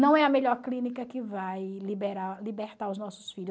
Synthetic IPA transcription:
nɐ̃w̃ɛɐmeʎɔɾklĩnikɐkɪvajlibeɾalibeɾt̪aɾʊznɔsʊ̥sfiʎʊ

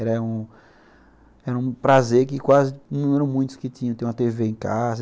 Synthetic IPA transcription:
ɛɾɐũ | ɛɾɐũpɾazeɾkɪkwazɪnɐ̃ɛɾɐ̃mũj̃t̪ʊ̥skɪt̪ĩɲɐ̃t̪ẽũɐt̪eveẽkazɐ

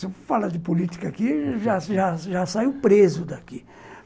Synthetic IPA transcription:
sefalɐd̪ɪpolit͡ʃ̪i̥kakiʒaʒaʒasaiwpɾezʊd̪aki

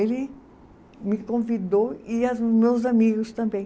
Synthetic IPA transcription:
elɪ | mɪkõvid̪owiazmewzamiɡʊst̪ɐ̃mbẽj̃

